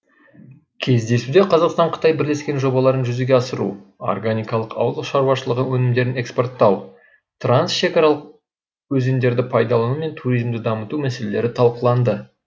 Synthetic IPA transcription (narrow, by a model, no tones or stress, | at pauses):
kʲʰe̞zd̪e̞sud̪eqʰɑzɑqst̪ɑɴqʰə̥t̪ɑjbɪɾle̞skʲe̞nʒo̞bɑlˠɑɾənʒʏzeɡʲeɑsəɾṵo̰rɡanijkɑlˠəqɑ̰wəlˠəʃɑɾuwɑʃəlˠəʁənwɵnɪmd̪e̞ɾɪne̞kspo̞rt̪ːɑw | t̪ransʃe̞kɑɾɑlˠəq̚ | wɵzemd̪e̞ɾd̪ɪpʰɑjd̪ɑlˠɑnume̞nt̪ʰuɾijzmd̪ɪd̪ɑmət̪umæse̞le̞le̞ɾɪt̪ʰɑlˠqəlˠɑnd̪ə